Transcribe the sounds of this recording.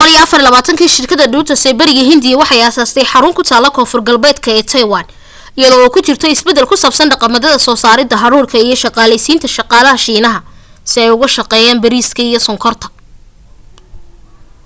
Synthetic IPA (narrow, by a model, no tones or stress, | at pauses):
bqɔlijɐɐfɐrlɐβaːt̪ʰɐŋkʰiːʃɪrkʰɐðɐɖuːt̪ʰɐsɛːbɐɾɪɣɐɦɪnd̪ɪjɐwɑħɑjaːsaːst̪ʰɛjħɑɾʊŋkʰʊt̪ʰaːlɐkʰɔːfʊrɡɐlbɛːd̪kʰɐɛːt̪ʰɐjwɑːn | ɪjɐðɔːkʰʊt͡ʃɪrt̪ʰɔɪsbɛd̪ɛlkʰʊsɐːbsɐnɖɑqɑmɐðɐðɐsɔːsaːɾɪd̪ɐɦɑɾuːrkʰɐijɞʃɑqɑːlɛjsiːnt̪ʰɐʃɑqɑːlɐɦɐʃiːnɐɦɐsɪɛjʊɣɐʃɐqɛːjaːmbɐɾiːskʰɐijɔsɔŋkʰɔrt̪ʰɐ̥